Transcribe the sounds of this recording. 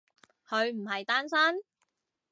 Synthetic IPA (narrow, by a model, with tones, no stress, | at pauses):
hʰɵ˨˧ɥm̩˨˩ɦɐ˨jt̪aː˥nsaː˥n